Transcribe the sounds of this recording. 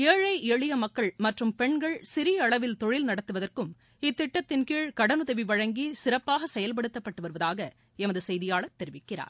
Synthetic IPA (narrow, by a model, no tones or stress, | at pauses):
keːɻɐɪʔeːɻɪjɐmɐkːɐɭmɐʈrɯmpɛɳɡɐɭsɪɾɪjɐɐɭɐʋɪlt̪ɔɻɪlnɐɽɐt̪ːɯʋɐðɐrkɯm | ɪt̪ːɪʈːɐt̪ːɪnkiːɻkɐɽɐnɯðɐʋiʋɐɻɐŋɡisɪɾɐpːaːɣɐsɛjɐlp̬ɐɽɯt̪ːɐpːɐʈːɯʋɐɾɯʋɐðaːɣɐ | ɛmɐðɯsɛjðɪjaːɭɐt̪ːɛɾɪʋɪkːɪɾa̰ːɾ